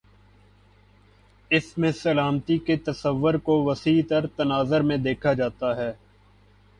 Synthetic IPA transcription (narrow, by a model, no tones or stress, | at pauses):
ɪsmẽsɐlaːmt̪iket̪ɐsəʋːʊɾkoʋɐsiːt̪ɐɾt̪ɐnaːzəɾmẽd̪eːkʰad͡ʒaːt̪aɦɛː